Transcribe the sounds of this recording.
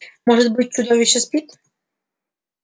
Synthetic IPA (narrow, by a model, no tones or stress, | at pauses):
mɔʐɛt̪bɘt͡ɕt͡ʂud̪ɔvʲiɕɛspʲit̪